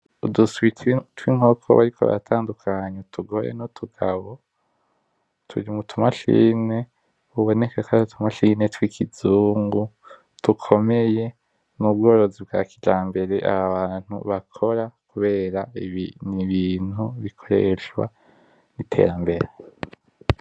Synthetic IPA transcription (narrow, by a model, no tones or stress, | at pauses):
uduswittwiŋ̥hokʰo̰βa̰ɾikʰo̞̰βa̰tʰaːndukʰaɲetʰuɡoɾḛnotʰuɡaβo | tʰṵɾiumutʰumaʃḭːne̞ | uβo̞ne̞kakautʰumaʃine̞twikʰizuːŋɡu | tukʰo̞me̞je̞ | nubɡo̞ːɾo̞zibɡaːkid͡ʒaːmbe̞ɾe̞ʔa̰βaβaːn̥hṵβakʰo̞ɾakuβe̞ːɾainiβiːn̥huβikʰo̞ɾḛʃwa̰ | nitʰe̞̰ːɾambe̞ɾe